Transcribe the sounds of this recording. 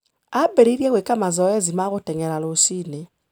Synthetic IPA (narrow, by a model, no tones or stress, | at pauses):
abɛɾiɾjaɣwekamazɔɛzimaɣotɛŋɛɾalosine